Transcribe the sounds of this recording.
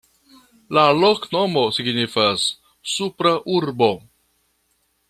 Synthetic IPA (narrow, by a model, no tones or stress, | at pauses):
lalokno̞mo̞siɡnifasː | upɾaʔuɾbo̞